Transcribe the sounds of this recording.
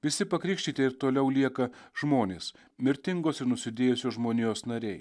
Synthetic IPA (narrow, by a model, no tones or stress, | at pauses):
ʋʲɪsʲɪpɐkɾʲɪːkʃʲt̪ʲiːt̪ʲɛɪɾt̪oːlʲɛʊlʲiɛkɐʒ̥moːnʲeːs | mʲɪɾʲt̪ʲɪŋɡoːsɪɾnʊsʲɪd̪ʲeːjʊsʲoːʒmoːnʲoːsnɐɾʲɛɪ